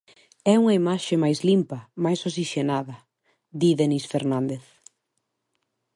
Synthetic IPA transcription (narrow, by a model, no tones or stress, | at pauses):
ɛuŋɐimaʃemajzlimpɐmajsos̬iʃenaðɐ | d̪iðenisfeɾnãnd̪eθ